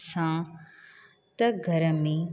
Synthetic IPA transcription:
sãː | t̪ɐɡʱɐɾəmi

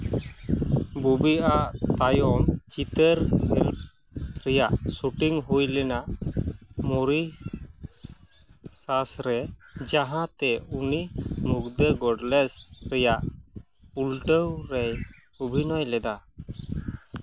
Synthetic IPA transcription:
bubiʔaʔt̪ajɔmt͡ʃit̪əɾhɛlp | ɾɛjaʔsuʈiŋɦujlɛnaʔ | mɔɾi | sasɾɛd͡ʒaɦãt̪ɛunimukd̪əɡɔɖlɛsɾɛjaʔ | ulʈəwɾɛj | ɔbʱinɔjlɛd̪a

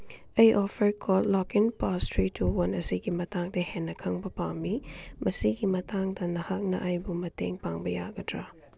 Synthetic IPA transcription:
ɐjʔɔpʰɐɾkʰɔltlɔkinpastʰɾitʰuwɐnɐsiɡimɐtaŋdɐhenːɐkʰɐŋbɐpawmimʔɐsiɡimɐtaŋdɐnɐhɐk̚nɐ̰ʔajbumɐtḛŋpaŋbɐja̰ɡɐtɾa

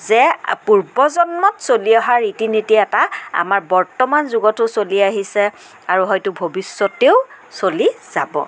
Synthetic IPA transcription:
zɛpuɹbɔzɔnmɔtsoliɔɦaɹitinitiaɛtaa̰maɹbɔɹtɔmanzuɡɔtʊsoliaɦisɛ | aɹuɦɔjtʊbʱobisːɔteʊ | soliz̥abɔ̰

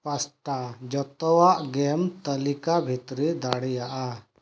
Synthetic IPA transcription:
pasʈad͡ʒɔt̪ɔwaʔɡɛmt̪əlikabʱit̪ɾid̪aɽɛjaʔa

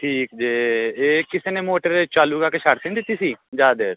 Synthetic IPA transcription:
ʈʰiːkd͡ʒeːeːkɪseːnemoːʈəɾet͡ʃaːluːɡaːkeʃaːʈt̪ɪ̃ŋd̪ɪt̪ːiːsiːd͡ʒaːd̪eːɾ

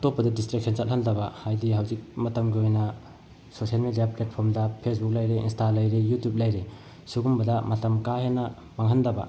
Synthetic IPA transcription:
atopːɐdɐdistɾik̚sʰent͡ʃat̚handɐbahajdiɦawzik̚mɐtɐmɡiojnɐ | sosijalmedijaplet̚pʰoɾmdɐpʰes̬buk̚lajɾiinstalajɾijutjup̚lajɾi | suɡumbɐdɐmatɐmkahenɐ | baŋɦandɐba̰

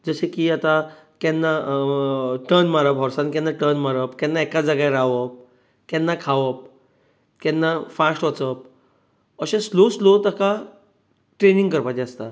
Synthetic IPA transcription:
d͡zəɕekiat̪a | kɛnːa | ʈəɾnmaɾəpɦɔɾsankɛ̃nːaʈəɾnmaɾəpkɛ̃nːaɛkad͡zəɡaɾaʋəp̚ | kɛnːakʰaʋəp̚ | kɛ̃nːafasʈʋət͡səp̚ | əɕẽsloslot̪aka | ʈɾenĩŋɡkəɾpat̪eəst̪a

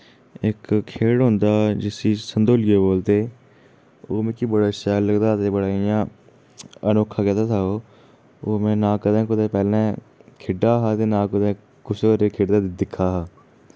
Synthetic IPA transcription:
ɪkkʰeːɽɦõːnd̪aːd͡ʒɪsiːsənd̪oːlɡoːboːlt̪eː | oːmẽːkibəɽaːʃaːləɡd̪aːt̪eːbəɽaːɪjãː | ənoːkʰːaːkɛːt̪aːt̪ʰaːoː | oːmɛ̃ːnãːkəd̪ẽːkʊd̪eːpɛːlãː | kʰɪɖaːɦaːt̪eːnãːkʊd̪ẽː | kʊsoɾekʰeːɽd̪aːd̪ɪkʰːaːɦaː

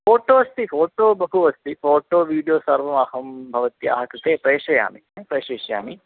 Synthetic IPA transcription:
foːʈoːɐst̪ifoːʈoːbɐɦuɐst̪ifoːʈoːʋiːɽijoːsɐɾʋɐmɐhɐmbʱɐʋɐt̪ja̰ːɦɐkɐt̪eːpɾeːʃɐja̰ːmipɾeːʃeːʃɐja̰ːmi

